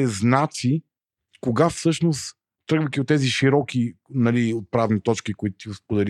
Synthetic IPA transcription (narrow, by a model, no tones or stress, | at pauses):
ɛznat̪si | koɡafsɤʃnos | t̪ɾɤɡvəjk̪ʲiot̪ɛziʃiɾɔkʲinɐliot̪̚pɾavnit̪ɔt͡ʃkikoit̪ʊ̥t̪iʊspʊd̪ɛli